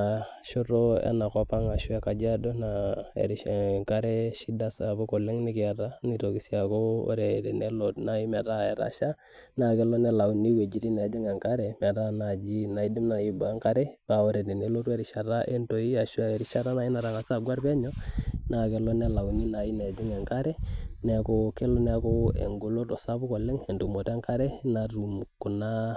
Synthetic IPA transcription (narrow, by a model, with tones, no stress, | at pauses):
a˨ | ʃo˦ɾo˦ɛ̰˦na˨kɔ˦pa˦ŋa˨ʃu˦a˦ka˨d͡ʒa˦do˦na˨ḛ˨ɾi˦˨ŋka˦ɾɛ˦ʃi˦da˦sa˨bɔ˦kɔ˨lɛ˦ŋnɪ˦kɪ˨a˨ɾa˦ni˦˨ɾo˨ki˨˦si˦a˨ko˦o̰˦ɾɛ˨dɛ˨ne˦lo˨tna˨i˦mɛ˨ta˦˨ɛ˨ɾa̰˦ʃa˦ | na˨kɛ˦lɔ˦nɛ˦la˨u˨ni˦we˨d͡ʒi˨ɾi˦na˨˦d͡ʒɛ˦ŋɛ˨ŋka˦ɾɛ˨mɛ˨ɾa˦na˨d͡ʒi˦na˨i˨di˦mna˨i˨bu˨a˦ŋka˦ɾɛ˦pa˨o˦ɾɛ˨dɛ˨ne˦lo˦twɾi˨ʃa˨ɾa˦ʔe˦nto˨i˦a˨ʃu˦a˦˨ɛ˨ɾi˦ʃa˦ɾa˦na˨˦i˦na˨ɾa˨ka˨sa˦˨ɡwa˦ɾpɛ˦ɲɔ˦na˨kɛ˨lɔ˦nɛ˦la˨u˨ni˦na˨i˦nɛ˨d͡ʒi˦ŋɛ˨ŋka˦ɾɛ˦nɛ˨˦kɔ˦kɛ˦lɔ˦nɛ˦ko˦ḛ˨ŋɡo˦lo˦tɔ˨sa˦bu˦kɔ˨lɛ˦ŋɛ˨ntu˨mo˨ta˦ŋka˦ɾɛ˦na˨ɾu˨mkːu˨na˦